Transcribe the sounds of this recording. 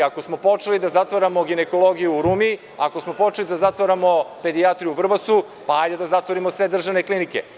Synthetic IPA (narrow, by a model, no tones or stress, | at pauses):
ako̞smo̞po̞t͡ʃelid̪azat̪ʋoɾamo̞ɡine̞ko̞lˠo̞ɡijuːɾumi | akosmo̞po̞t͡ʃelid̪azat̪ʋoɾamo̞pe̞d̪iat̪ɾijuvr̩basu | paajd̪ed̪azat̪ʋoɾimo̞sʋe̞d̪r̩ʒaʋne̞klinike̞̰